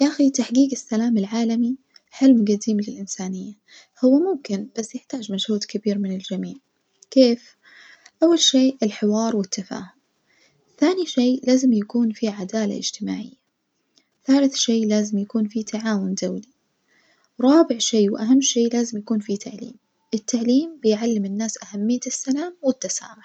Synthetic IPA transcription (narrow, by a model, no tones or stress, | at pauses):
jʔaxit̪aħɡiːɡɪsːalaːmɪlʕaːlami | ħɪlmɡad̪iːmlɪlʔɪnsaːnɪjːa | hʊwːamʊmkɪnb̥asːjɪħt̪aːd͡ʒmaʃhuːd̪kabiːɾmɪnɪld͡ʒamiːʕ | keːf | ʔawːalʃeːɪlħɪwɑːɾˤwɪt̪ːafa̰ːhʊm | θaːniʃeːlaːzɪmjakuːnfiʕad̪aːla̰ʔɪ̰d͡ʒt̪ɪma̰ːʕɪ̰jːa | θaːlɪθʃeːlaːzɪmjakuːnfit̪ʰaʕaːwʊnd̪awli | wɾˤɑːbɪʕʃeːwʔaɦamːʃeːlaːzɪmjakuːnfit̪ʰaʕlḭːm | ʔɪt̪ːaʕliːmbɪjʕalːɪmɪnːaːsʔahamːɪjːasːalaːmwɪt̪ːasa̰ːmʊħ